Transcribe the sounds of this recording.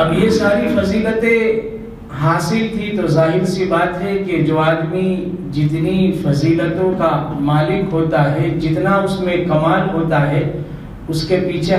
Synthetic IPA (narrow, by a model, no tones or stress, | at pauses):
ɐbjesaːɾifɐziːlət̪ẽ | ɦaːsɪlt̪ʰit̪ozaːɦɪɾsibaːt̪ɦɛked͡ʒoːaːd̪mi | d͡ʒɪt̪nifɐziːlət̪õkamaːlɪkɦoːt̪aɦɛd͡ʒɪt̪naʊsmẽkɐmaːlɦoːt̪aɦɛ | ʊskepiːt͡ʃʰe